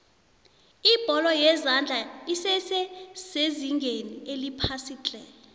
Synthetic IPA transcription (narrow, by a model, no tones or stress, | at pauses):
ib̥ʱɔlɔjɛzand͡ɮʱaisɛsɛz̥eziŋɡʱenielipʰasiːt͡ɬʼɛɔ